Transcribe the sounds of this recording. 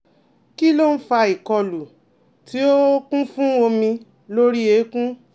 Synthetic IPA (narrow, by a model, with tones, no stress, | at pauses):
ki˦lo˦n̩˦fa˧i˨kɔ˧lu˨ | ti˨˦o˦kũ˦fũ˦o˧mĩ˧ | lo˦ɾi˦e˨˦kũ˦